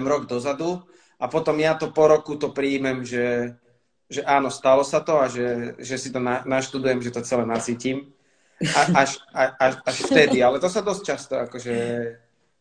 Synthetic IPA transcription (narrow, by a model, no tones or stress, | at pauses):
mɾɔɡd̪ɔzad̪u | apɔt̪ɔmjat̪ɔpɔɾɔkut̪ɔpɾiːmɛmʒɛ | ʒɛʔaːnɔst̪alɔsat̪ɔaʒɛʒɛsit̪ɔnanaʃt̪ud̪ujɛmʒɛt̪ɔt͡sɛlɛnat͡siːciːm | aaʃaaʃaʃft̪ɛd̪ialɛt̪ɔsad̪ɔsc̚t͡ʃast̪ɔakɔʒɛ